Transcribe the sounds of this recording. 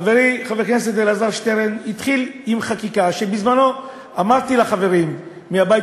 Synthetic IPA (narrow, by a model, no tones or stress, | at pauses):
veʁiχaveʁknes̬et̪̚d̪elazaʁʃt̪eʁenit̪χilimχakikaʃe̞bizmano̞ | amadt̪ilaχave̞ʁimː | eabaj